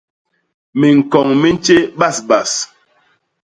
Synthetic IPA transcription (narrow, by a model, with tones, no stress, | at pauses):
me˨ŋ̩˨kɔ˨ŋme˦n̩˦t͡ʃe˦ɓa˦˨sba˨s